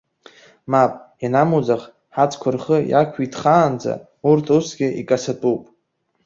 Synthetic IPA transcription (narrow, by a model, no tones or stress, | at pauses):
mapʼjanamud͡zaχ | ħat͡sʰʼkʷʰʊrχəja̰kʷʰitχaːnd͡za̰ | urtʰusɡʲɪikʼasatʼupʼ